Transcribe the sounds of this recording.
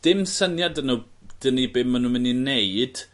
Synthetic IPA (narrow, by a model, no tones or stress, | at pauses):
d̥ɪmsənjadənud̥ənibɪmːanumɪnineɨd̥